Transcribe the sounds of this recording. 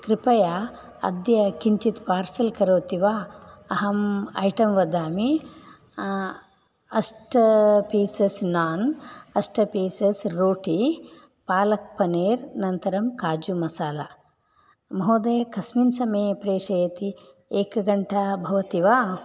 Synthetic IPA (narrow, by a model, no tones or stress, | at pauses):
kɾipɐjaː | ɐ̰d̪jɐkiɲt͡ʃit̪paːɾsɐlkɐɾoːt̪iʋaːɐɦɐmɐ̰jʈɐmʋɐd̪aːmi | ɐsʈɐpiːsesnaːnɐsʈɐpiːsesɾoːʈi | paːlɐk̚pɐneːɾnɐnt̪ɐɾɐmkaːd͡ʒumɐsaːlɐ | mɐɦoːd̪eːkɐsminsɐmeːpɾeːʃɐjɐt̪i | eːkɐɡɐɳʈɐbʱɐʋɐt̪iʋaː